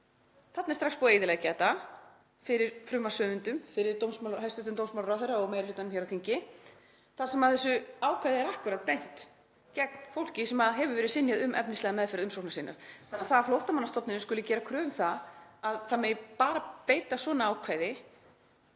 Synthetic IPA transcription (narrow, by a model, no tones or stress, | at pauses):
θat̪nɪɾst̪ɾakspɔejðɪlaɣcat̪a | fɪɾɪɾ̥fɾʏmːasœːvʏnt̪ʏmfɪɾɪɾt̪ownsmalɦajst̪ʏt̪ʏmt̪ownsmalɾaθejɾaɔɣmeːjɾɾɪt̪anmçɛɾawθiɲcɪ | θḁsɛmaðθɛsːʏaːwkʰvajðɪɛɾahkvʏɾaðt̪t̪ejn̥t̪ | cɛk̚n̥fowl̥cɪsɛmaðɦɛvʏvɛːɾɪðsɪnjaðʏmʔɛ̰pnɪst̪lɛːɣamɛðfɪɾaðʏmsowknasiːna̰ɾ̥θanːaθaðaflowht̪amanast̪ɔp̪nɪnʏskʏlɪcɛːɾakʰɾœːvʏmθaaðθamɛjpaːɾapeːjt̪asvɔːnaaːwkʰvaːjðɪ